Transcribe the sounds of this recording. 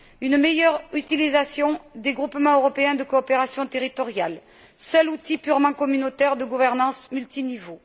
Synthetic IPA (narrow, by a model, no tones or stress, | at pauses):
ynmejœʁyt̪ilizasjɔ̃d̪eɡʁupmɑ̃øʁɔpeɛ̃d̪əkoːpeʁasjɔ̃t̪eʁit̪ɔʁjal | sœlut̪ipyʁmɑ̃kɔmynot̪ɛʁd̪əɡuvɛʁnɑ̃smylt̪inivo